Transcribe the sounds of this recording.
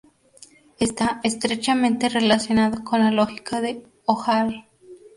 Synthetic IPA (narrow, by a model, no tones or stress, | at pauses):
est̪aest̪ɾet͡ʃamẽnt̪e̞re̞lasjo̞naðoko̞nlaloxikʰaðe | oxal